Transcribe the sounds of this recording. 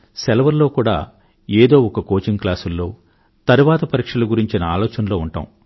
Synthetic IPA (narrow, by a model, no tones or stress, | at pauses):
sɛlɐʋɐɾlo̞ːkuːɽa̰ː | eːd̪o̞ːɔkɐko̞ːt͡ʃiŋklaːsulːo̞ː | t̪ɐɾuʋaːt̪ɐpɐɾiːkʂɐluɡuɾiɲt͡ʃinɐa̰ːlɔːt͡ʃɐnɐlo̞ːuɳʈa̰m